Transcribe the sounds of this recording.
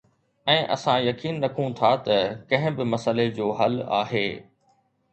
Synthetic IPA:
ɛ̃ːʔɐ̰sãjɐkiːnɾɐkʰũt̪ʰat̪ɐkɐ̃ɦɪ̃bɪmɐsəled͡ʑoːɦɐla̰ːɦeː

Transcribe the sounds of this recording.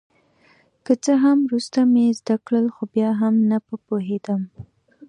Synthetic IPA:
kət͡səɦamɾust̪amezd̪akɽəlxobjɑɦamnapəpoɦed̪əm

